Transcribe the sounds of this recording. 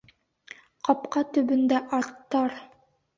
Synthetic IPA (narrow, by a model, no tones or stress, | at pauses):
qɑpqɑt̪ɵ̆bɵ̆nd̪æʔɑɾt̪ːɑɾ